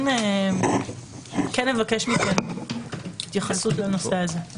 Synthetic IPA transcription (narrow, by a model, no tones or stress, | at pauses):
ne | kenːevakeʃmike | it̪jaχasut̪lano̞seaze